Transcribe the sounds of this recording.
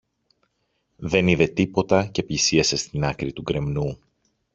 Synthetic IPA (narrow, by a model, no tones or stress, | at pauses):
ðe̞niðe̞t̪ipo̞t̪ɐce̞pʎisiɐse̞st̪inɐkɾit̪uɡɾe̞mnu